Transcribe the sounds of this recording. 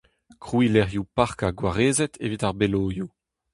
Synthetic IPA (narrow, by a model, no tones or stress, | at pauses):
kʁwilɛʁjupaʁkaɡwaʁeːzɛtʰḛvitaʁbeloːju